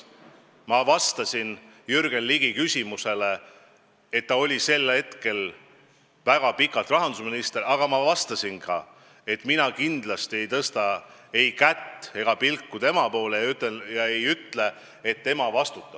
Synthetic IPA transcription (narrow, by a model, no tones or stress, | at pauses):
mɑvɑst̪ɑsin | jyrɡ̥enliɡ̥ikysʲimuse̞le̞ | et̪ːɑo̞lʲise̞lːhe̞t̪ke̞l | væɡ̥ɑpikːˑɑlt̪rɑɦɑnd̪usminist̪eɾɑɡ̥ɑmɑvɑst̪ɑsinkɑ | e̞t̪ːˑminɑkind̪̥lɑst̪ie̞jt̪ɤst̪ɑe̞jkæt̪ːˑe̞ɡ̥ɑpilkːut̪e̞mɑpo̞ːlejɑyt̪ːˑejɑe̞jyt̪le̞ | et̪ːe̞mɑvɑst̪ut̪ːˑɑ̥